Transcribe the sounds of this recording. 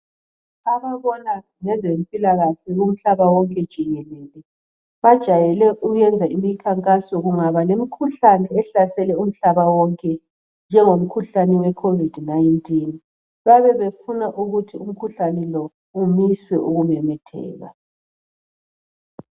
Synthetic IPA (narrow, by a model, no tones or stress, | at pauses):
aβaβɔna | ŋɛzempʼilaɣaɬɛɣum̩ɬaβawɔŋkʼɛd̥ʒ̥ʱiɣɛlɛːlɛ | βad̥ʒ̥ʱajɛlɛʔuɣɛnd͡zʱaimikʰaŋkʼasɔɣuŋaβalem̩kʰuɬanɛɛɬasɛlɛum̩ɬaβawɔŋkʼɛ | nd͡ʒʱɛŋom̩kʰuɬanɛwɛkʰovid̥ʱnajntʼin | βaβɛβefunaʔuɣutʰium̩kʰuɬanɛlɔ | umiswɛʔuɣumɛmɛtʰɛ̰ːɣa̰